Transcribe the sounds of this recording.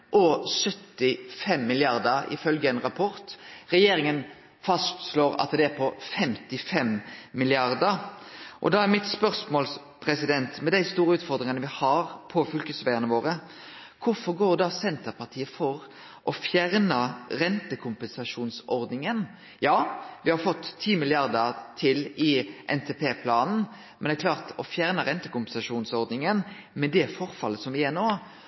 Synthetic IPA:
ʔɔsœt̪ːɪfɛmːɪlɪɑɾd̪əɾɪ̰fœlɡəɛnɾɑpʰɔɾt̪ɾɛjeːɾɪŋən | fɑst̪sloːɾɑ̰t̪d̪ɛæɾpʰɔfɛmt̪ɪfɛmmɪlɪɑɾd̪əɾʔɔ̰d̪ɑːæʁmɪt̪spœɾsmoːls | pʰɾɛsɪd̪ɛnt̪mɛd̪æɪst̪uːɾəʉːt̪fɔɾd̪ɾɪŋənəʋɪhɑɾpʰɔfʏlkəsʋæɪənəʋoːɾə | kʰʊfɔɾɡoːɾd̪ɑsɛnt̪əpʰɑʁt̪ʰiːəfɔɾ | ʔɔfjæʁnəɾɛnt̪əkʰʊmpɛnsɑʂuːnsɔɾd̪nɪŋən | jɑːʋɪhɑɾfɔt̪ʰːiːmɪlɪɑʁd̪ət̪ʰɪlɪʔɛ̰nt̪ʰepʰeːpʰlɑːnn̩ | mɛnækʰlɑːʁt̪ɔfjæʁnəɾɛnt̪əkʊmpɛn̩sɑʂuːnsɔʁd̪nɪŋən | mɛd̪ɛfɔɾfɑlːəsɔmʋɪæɾnoː

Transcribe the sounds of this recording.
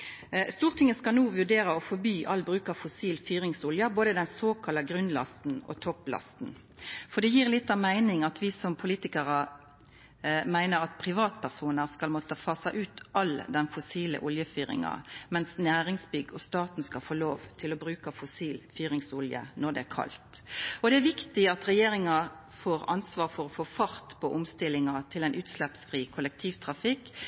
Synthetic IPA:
st̪uːʁt̪ʰɪŋːəskɑlnuːʋʉɖ̪eːɾəɔfɔɾbyːʔɑlːbɾʉːkɑfʊsiːlfyːʁɪŋsʊljəboːd̪əd̪ɛnsoːkʰɑlːɑɡʁʉnlɑ̰st̪n̩ɔ̰t̪ʰɔplɑ̰st̪n̩ | fɔʁd̪ɛjiːʁlɪt̪ːɑmæɪnɪŋɑt̪ʋɪsɔmpʰʊliːt̪ɪkəʁə | mæɪnəʁɑt̪pʰʁɪʋɑːt̪̚pʰæʁsuːnəʁskɑlmɔt̪əfɑːsɑʔʉːt̪ʔɑld̪ɛnfʊsiːlə̰ʔʊljəfyːɾɪ̰ŋɑ̰mɛnsnæːɾɪŋsbʏɡɔst̪ɑːt̪n̩skɑlfoːloːʋt̪ʰɪlɔbɾʉːkɑfʊsiːlfyːɾɪŋsʊljə̰nɔd̪ɛ̰ækʰɑ̰lt̪ɔd̪ɛæɾʋɪkt̪ɪɑt̪ʁɛjeːɾɪŋɑ | foːɾɑnsʋɑːʁfɔɾɔfoːfɑɾt̪pʰɔʔʊmst̪ɪlːɪŋɑt̪ʰɪlɛɪnʔʉːt̪slɛpsfʁiːkʰʊlːɛk̚t̪ʰiːʋt̪ʰʁɑfɪkː

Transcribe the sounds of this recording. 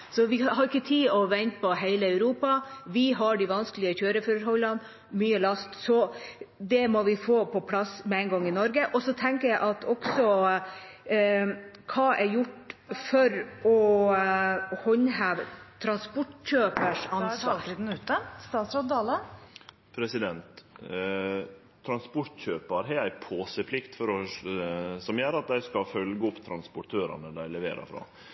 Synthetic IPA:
sɔʋɪɦɑɾɪkːət̪ʰiːɔʋɛnt̪pʰɔɦeɪləɑʉɾuːpɑʋɪɦɑɖiʋɑnsklɪəçøːɾəfɔɾɦɔlːɑn | myːəlɑst̪sɔd̪ɛmɔʋɪfoːpʰɔpʰlɑsmɛɛɪnɡɑŋːɪnɔɾɡəʔɔsɔt̪ʰɛŋkəɾjæɪʔɑt̪ʰɔksɔ | kʰɑːʔɛɾjʊʈːfɔɾɔ | hɔɲhæːʋt̪ʰɾɑnspɔʈɕøːpəʂɑnsʋɑːɾd̪n̩ʉːt̪əst̪ɑːt̪sɾɑd̪ɑːlə | pʰɾɛsɪd̪ɛnt̪ | t̪ʰːɾɑnspɔʈçøːpəɾɦɛæɪpʰoːsəpʰlɪkt̪fɔɾɔ | sɔmjæɾɑt̪̚d̪æɪskɑfœlɡəɔpːt̪ʰɾɑnspʊʈʰøːɾɑ̰nəd̪æɪlɛʋḛːɾə̰fɾɑ̰ː

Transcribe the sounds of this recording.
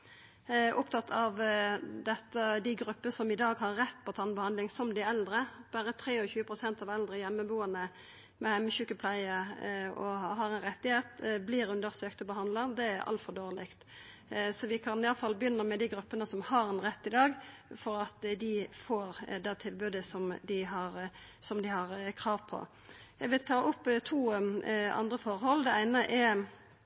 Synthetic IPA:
ʔʊpt̪ʰɑt̪ʰːɑʋd̪ɛt̪ːəd̪ɪɡɾʉpːəsɔmɪd̪ɑːɡhɑɾːɛt̪ːpʰɔt̪ʰɑːnbəhɑnd̪lɪŋsɔmd̪ɪɛld̪ɾəb̥æːɾət̪ʰɾeːɔçʉːəpʰʁʊsɛnt̪ɑʋɛld̪ʁəjɛmːəbuːənə | mɛhɛmːəçʉkːəpʰlæɪəɔ̰ɦɑɾɛɪnɾɛt̪ːɪheːt̪blɪːɾʉnd̪əɾsøːkt̪ɔbəɦɑnd̪ləd̪ɛæɾʔɑ̰lt̪fɔʁd̪oːʁlɪkt̪ | sɔʋɪkʰɑnɪjɑləfɑlːbəjʏnːəʁmɛd̪ɪɡɾʉpːənəsɔmhɑɾɛnʁɛt̪ːɪd̪ɑːɡfɔɾɑt̪d̪ɪfoːɾd̪ɛt̪ʰɪlbʉːd̪əsɔmd̪ɪɦɑɾsɔmd̪ɪhɑʁkʰʁɑːʋpʰɔ̰ | jæɡʋɪlt̪ʰɑːʔʊpːt̪ʰuːʔɑ̰nd̪ɾəfɔʁhɔlːd̪ɛæɪnəʔɛɾ

